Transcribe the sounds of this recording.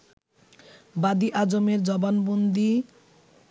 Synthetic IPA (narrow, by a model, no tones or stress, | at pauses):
bad̪iʔad͡ʑomeɾd͡ʑɔbanbond̪i